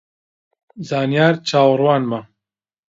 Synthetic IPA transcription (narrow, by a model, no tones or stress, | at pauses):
zaːnijaːɾt͡ʃʰaːwrwɑːnma